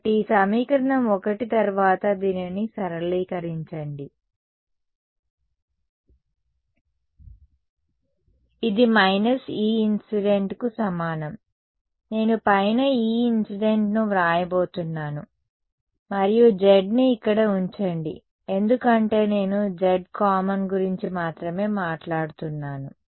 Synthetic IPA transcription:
ɐʈiːsɐmiːkɐɾɐɳɐmɔkɐʈit̪ɐɾʋaːt̪ɐd̪iːninisɐɾɐliːkɐɾiɲt͡ʃɐɳɖi | id̪imɐjnɐsiːinsiɖe̞ɳʈkusɐmaːnɐm | ne̞ːnupɐjnɐiːinsiɖe̞ɳʈnuɾaːjɐbo̞ːt̪unːaːnu | mɐɾijud͡ʒeɖniːkːɐɽɐuɲt͡ʃɐɳɖḭ | e̞nd̪ukɐɳʈe̞ːne̞ːnud͡ʒeɖkaːmɐnɡuɾiɲt͡ʃimaːt̪ɾɐme̞ːmaːʈlaːɽut̪unːaːnu

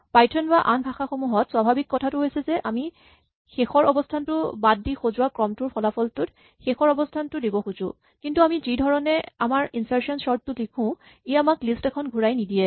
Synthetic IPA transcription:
pajtʰɔnbaʔanbʱaxaxomuɦɔtswabʱabikːɔtʰatʊɦojsɛzɛʔami | xexɔɹɔbɔstʰantʊbad̚ːixozʊwakɹɔmtʊɹpʰɔlapʰɔltʊt | xexɔɹɔbɔstʰantʊdibɔxuzʊ̰ | kintuamizidʱɔɹɔnɛamaɹinsaɹsɔnsɔɹttʊlikʰʊ̃ | eamaklistɛkʰɔnɡʱuɹajnidijɛ

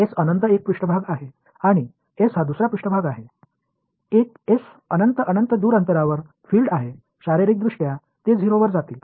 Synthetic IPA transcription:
esənənt̪əek̚pɾuʂʈəbʱaɡaɦe | aɽ̃i | esɦad̪usɾapɾuʂʈəbʱaɡaɦe | ek | es | ənənt̪əʔənənt̪əd̪uːɾənt̪əɾaʋəɾ | fiːlɖaɦe | ɕaɾiɾiːk̚d̪ɾuʂʈja | t̪ed͡zʱiɾoʋəɾd͡zat̪iːl

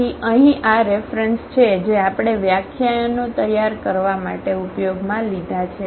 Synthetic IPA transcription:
iəɦĩʔaɾefɾənst͡ʃʰed͡ʒeapɽ̃eʋjakʰjajnot̪əjːaɾkəɾʋamaʈeupjoɡmãlid̪ʱat͡ʃʰe

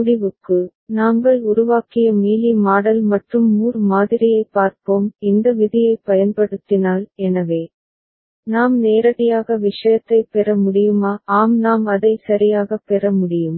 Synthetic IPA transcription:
ʊɽɪʋɯkːɯ | naːŋɡɐɭʊɾʊʋaːkɪjɐmiːlimaːɽɐlmɐʈrɯmːuːrmaːðɪɾɪjɐɪpːaːɾpoːmɪnd̪ɐʋɪðɪjɐɪpːɐjɐnpɐɽɯt̪ːɪnaːlɛnɐʋeː | naːmneːɾɐɽɪjaːɣɐʋɪʂɐjɐt̪ːɐɪpɛɾɐmʊɽɪjɯmaːaːmnaːmɐðɐɪsɐɾɪjaːɣɐpːɛɾɐmʊɽɪjɯm

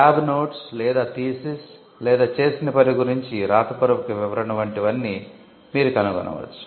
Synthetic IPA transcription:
kaːbnoːʈslɛːd̪aːt̪iːsis | lɛːd̪aːt͡ʃe̞ːsinɐpɐɾiɡuɾiɲt͡ʃiɾaːt̪ɐpuɾɐmɐkiʋiʋɐɾɐnɐʋɐɳʈiʋɐnːi | miːɾukɐnɐɡɔ̰nʔɐ̰ʋɐ̰t͡ʃːu̥

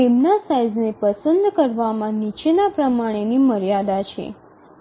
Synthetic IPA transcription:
emnasajznepəsənd̪kəɾʋamãnit͡ʃenapɾəmaɽ̃eniməɾjad̪at͡ʃʰḛ

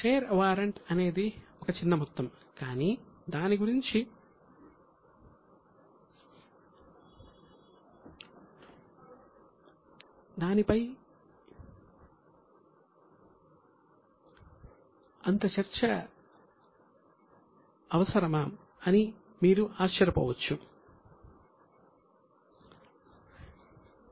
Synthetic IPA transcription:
ʃeːɾʋaːɾɐɳʈɐne̞ːd̪iɔkɐt͡ʃinːɐmut̪ːɐm | kaːniːd̪aːniɡuɾiɲt͡ʃi | d̪aːnipɐj | ɐnt̪ɐt͡ʃɐɾt͡ʃɐ | ɐʋɐsɐɾɐmaːm | ɐni | miːɾuʔaːɐɾɐpɐ̰ʋɐt͡ʃːu

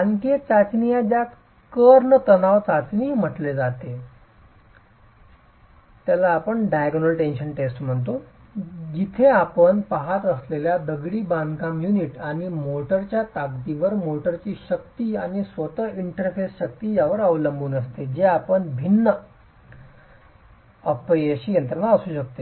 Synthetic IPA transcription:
ãŋket͡sat͡snijad͡ʑjat̪ | kəɾɳət̪ənaʋt͡sat͡ɕniːm̤əʈled͡zat̪e | t̪jalaːpəɳɖajɡnəlʈenɕənʈesʈm̤əɳt̪̬o | d͡ʑit̪ʰeapəɳpaɦat̪əsleljad̪əɡɽiːbãnkamjuniʈaɽ̃imoʈəɾt͡ɕjat̪aɡt̪iʋəɾmoʈəɾt͡ɕiːɕək̚t̪iːaɽ̃isʋət̪əiɳʈəɾfesɕək̚t̪iːjaʋəɾəʋləmbuːnəst̪ed͡ʑeapəɳbʱinːə | əpɾəɕiːjənt̪ɾənaəsuːɕək̚t̪e

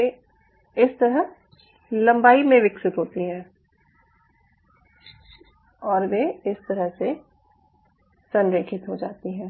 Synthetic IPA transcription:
e | ɪst̪əɾəɦ | lɐ̃mbaːimẽʋɪksɪt̪ɦoːt̪iɦɛ̃ː | ɔːɾʋeɪst̪əɾəɦse | sə̃nɾeːkʰɪt̪ɦod͡ʒaːt̪iɦɛ̃ː

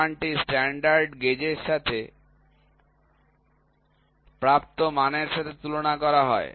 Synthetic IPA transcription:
aɳʈisʈɛɳɖaɾɖɡed͡ʑeɾʃat̪ʰe | pɾap̚t̪omaneɾʃat̪ʰet̪ulonakɔɾaɦɔe

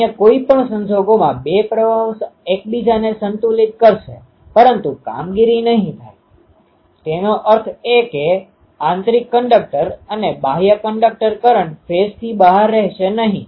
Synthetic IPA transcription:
jãkoipəɳsənd͡ʒoɡomãbepɾəʋaʋsek̚bid͡ʒanesənt̪ulit̪̚kəɾʃḛ | pəɾənt̪uka̰mɡiɾinəɦĩt̪ʰaj | t̪enoʔəɾt̪ʰeke | ãnt̪ɾikːəɳɖək̚ʈəɾənebaɦjəkəɳɖək̚ʈəɾkəɾəɳfest̪ʰibəɦaɾːɛɦʃenəɦḭ̃

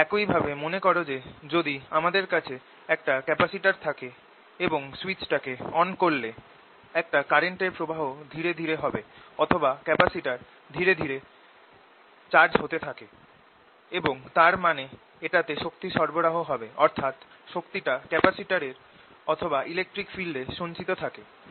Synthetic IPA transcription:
ɛkoijbʱabemonekɔɾod͡ʑed͡ʑod̪iamad̪eɾkat͡ɕʰe | ɛk̚ʈakɛpasiʈaɾt̪ʰake | eboŋswit͡ɕʈakeɔnkolle | ɛk̚ʈakaɾeɳʈeɾpɾobʱaɦod̪ʱiɾed̪ʱiɾeɦɔbeɔt̪ʰobakɛpasiʈaɾ | d̪ʱiɾed̪ʱiɾe | t͡ɕaɾd͡ʑɦot̪et̪ʰake | eboŋt̪aɾmane | eʈat̪eʃok̚t̪iʃɔɾboɾaɦoɦɔbeɔɾt̪ʰat̪ | ʃokt̪iʈakɛpasiʈaɾeɾ | ɔt̪ʰobaʔilek̚ʈɾikfilɖeʃont͡ɕit̪ot̪ʰake

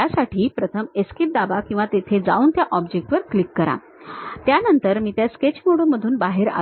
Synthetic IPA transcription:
asaʈʰiːpɾət̪ʰəmeskip̚d̪abakĩw̃ʋat̪et̪ʰed͡za̰uːnt̪jaʔɔbd͡ʑek̚ʈʋəɾklikːəɾa̰ | t̪janənt̪əɾmiːt̪jasket͡ɕmoɽoməd̪ʱuːnbaɦeɾa̰

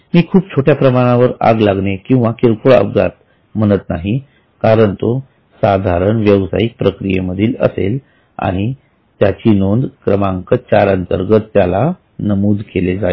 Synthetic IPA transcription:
miːkʰuːpt͡ɕʰoʈjapɾəmaɽ̃ãʋəɾa̰ɡlaɡnekĩw̃ʋakeɾkuɭə̰bɡa̰t̪̚ | m̤əɽ̃ət̪naɦi | kaɾəɳt̪o | sad̪ʱaɾəɳʋjəʋsa̰ik̚pɾəkɾijeməd̪ʱiːlə̰sḛl | a̰ɽ̃i | t̪jat͡ɕiːnond̪kɾəmãŋkət͡ɕaɾənt̪əɾɡət̪ːjala | nəmuːd̪ʱkʰeled͡za

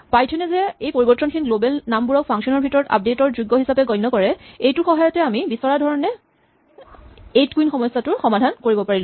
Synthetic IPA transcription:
pajtʰɔnɛzɛejpoɹibɔtːɔnkʰinilobɛlnambuɹɔk̚pʰaŋksɔnɔɹbʱitɔɹɔta̰p̚detɔɹzuɡːɔɦisapɛɡɔjnːɔkɔɹɛejtʊxɔɦajɔtɛamibisɔɹadʱɔɹɔnɛ | etkuinxɔmɔjsːatʊɹxɔmadʱankoɹibɔpaɹilʊ

